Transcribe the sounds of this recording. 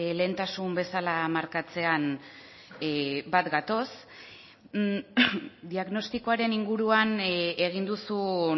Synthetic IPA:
le̞ːnt̪asumbe̞salamaɾkat͡se̞an | bat̪ɡat̪o̞s | d̪iaɣno̞st̪iko̞aɾe̞niŋɡuɾuane̞ɣ̞ind̪usu

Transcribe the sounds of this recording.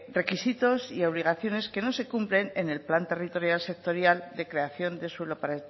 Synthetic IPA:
re̞kisit̪o̞sio̞β̞liɣaθjo̞ne̞ske̞no̞se̞kumple̞nene̞lplant̪e̞rit̪o̞ɾjalse̞k̚t̪o̞ɾjald̪e̞kɾe̞aθjo̞nd̪e̞swelopaɾe

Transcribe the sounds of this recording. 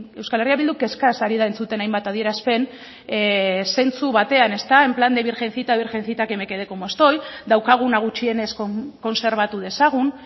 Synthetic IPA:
e̞wskale̞riaβild̪uke̞skasaɾiðae̞nt͡sut̪e̞najmbat̪aðie̞ɾaspe̞n | se̞nt͡suβat̪e̞ane̞st̪ae̞mpland̪eβiɾxe̞nθit̪aβiɾxe̞nθit̪ake̞me̞keðe̞ko̞moest̪o̞jd̪awkaɣ̞unaɣ̞ut͡ʃie̞ne̞skoko̞nse̞ɾβ̞at̪uð̞e̞saɣ̞un

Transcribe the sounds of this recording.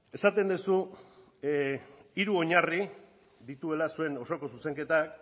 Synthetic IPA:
e̞sat̪e̞nd̪usu | iɾuo̞ɲari | d̪it̪ue̞lasue̞no̞so̞ko̞s̬use̞ŋke̞t̪ak

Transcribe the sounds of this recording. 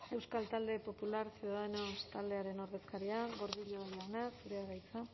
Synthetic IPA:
e̞wskalt̪ald̪e̞po̞pulaɾsjuðaðenost̪ald̪e̞aɾe̞no̞ɾðe̞skaɾiaɣo̞ɾðiʎoβajanasuɾeaɣajt͡sa

